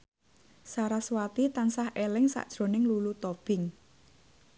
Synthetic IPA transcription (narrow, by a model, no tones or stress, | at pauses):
saɾaswat̪it̪ansahʔelɪŋsa̰ʔd̥ʒ̥ɾo̤nɪŋlulut̪ɔb̥ɪŋ